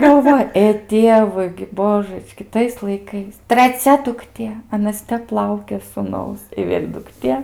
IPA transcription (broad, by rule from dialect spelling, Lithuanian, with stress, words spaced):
ɡɐlˠˈʋoːj eː ˈtʲiɛʋʊɪ ɡʲɪ ˈboːʒət͡ʃʲkʲɪ ˈtɐɪs lˠɐɪˈkɐɪs trɐˈt͡sʲɛ dʊkˈtʲeː ɐˈnɐs ˈtʲɛp ˈlˠɐʊkʲeː suːˈnɐʊs ɪ ˈʋʲeːlʲ dʊkˈtʲeː